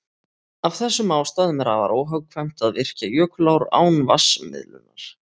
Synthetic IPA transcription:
avθɛsːʏmaːwst̪aːðʏmɛɾava̰ɾʔowɦœwkʰvajm̥t̪aðvɪr̥cajœːklawɾa̰ːwnvasmɪ̰ðlʏ̰na̰ɾ̥

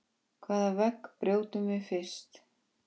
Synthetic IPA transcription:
kʰvaːðavɛkpɾjoːwt̪ʏmvɪfɪr̥st̪

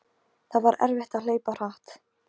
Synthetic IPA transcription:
θaðvaɾɛ̰ɾvɪht̪aðl̥eːjpar̥aht̪

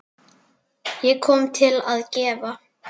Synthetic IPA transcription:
jɛɣkʰɔːmt̪ʰɪlaðcɛːva

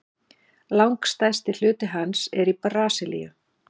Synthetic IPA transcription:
lawŋkst̪ajst̪ɪl̥ʏːt̪ɪɦansɛɾiparaːsɪlḭjʏ̰

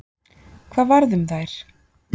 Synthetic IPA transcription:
kʰv̥aːðvaɾðʏmθajɾ̥

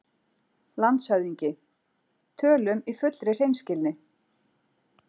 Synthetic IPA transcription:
lant̪shœɥðiɲcɪ | t̪ʰœːlʏmifʏt̪lɾɪr̥ejnscɪlnɪ

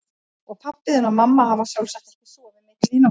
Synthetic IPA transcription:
ɔɣpʰapːɪðɪnamamːaɦavasjawlsɛkt̪ɪ̥sɔːðɪnɪkiːna

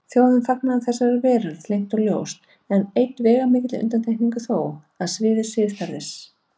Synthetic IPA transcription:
θjowðɪnfaknaaθɛsːaɛɾvɛːɾað̥flejŋ̥t̪ɔɣljo̰ːwst̪ | ɛnejt̪vɛːɣamɪːcɪt̪lɪʏ̰nt̪ant̪ʰejhkniŋkʏθoːw | aðsvɪːðɪ̥sɪːfaɾðɪs

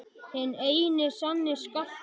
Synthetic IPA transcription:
hɛneːjnɪsanːɪska

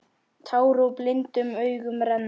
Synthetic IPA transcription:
t̪ʰaːwɾowplɪnt̪ʏmœɥɣʏmɾɛnː

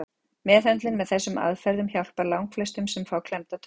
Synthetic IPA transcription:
mɛːθhœnt̪lɪnmɛðθɛsːʏma̰ðfɛɾðʏmçjawl̥paɾlawŋkflɛst̪ʏmsɛmfaːwkʰlɛmt̪at̪ʰ

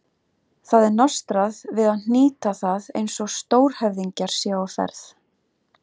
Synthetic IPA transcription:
θaðɛɾnɔst̪ɾaðvɪðaðn̥iːt̪aθaðḛjnsɔɣst̪oːwɾ̥hɛvðiɲcaɾ̥sjɛɣɔfɛ̰ɾθ

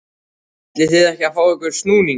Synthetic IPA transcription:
t̪lɪθɪðɛhcɪafaːwɛhkʏɾ̥st̪nuːniŋ

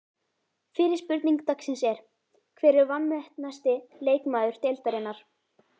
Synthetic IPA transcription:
fɪːɾɪ̥spʏɾt̪niŋk̚t̪aksɪnsɛɾ̥ | kʰvɛːɾɪɾvanːɛht̪nast̪ɪleːjkmaːðʏɾ̥t̪ejlt̪aɾɪnːaɾ̥

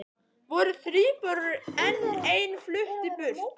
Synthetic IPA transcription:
vɔɾʏθɾiːpœɾðʏɾɛnːeːjnflʏht̪ɪpʏr̥t̪

